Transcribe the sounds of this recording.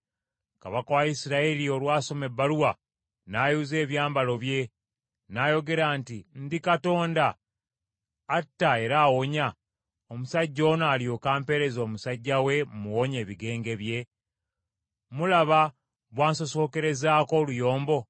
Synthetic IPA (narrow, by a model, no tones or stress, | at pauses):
ka̰βakawaisiɾaelio̞lwaːso̞me̞bːaluwa | najuze̞ːβjaːmbalo̞βje̞ | najo̞ɡe̞ɾaːntindikato̞ːnda | tːae̞ɾaːwo̞ɲa | omusaɟːo̞ːnaːljo̞kaːmpe̞ɾe̞zo̞ːmusaɟːawe̞muwoɲeːβiɡe̞ːŋɡe̞βje̞ | mulaβa | βwaːnso̞so̞ke̞ɾe̞zaːko̞lujo̞ːmbo̞